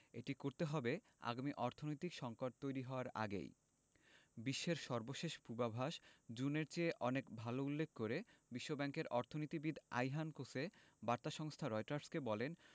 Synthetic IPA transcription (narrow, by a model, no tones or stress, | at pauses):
eʈikoɾt̪eɦɔbe | a̰ɡamiʔɔɾt̪ʰonojt̪ikʃɔŋkoʈ̚t̪ojɾiɦɔoaɾa̰ɡḛj | biʃːeɾʃɔɾboʃeʃpubabʱaʃd͡ʑuneɾt͡ɕeʔɔnekbʱaloulːek̚ʰkoɾebiʃːobɛŋkeɾʔɔɾt̪ʰonoijt̪ibid̪ʱa̰jɦankosebaɾt̪aʃɔŋst̪ʰaɾɔjʈaɾskebɔlen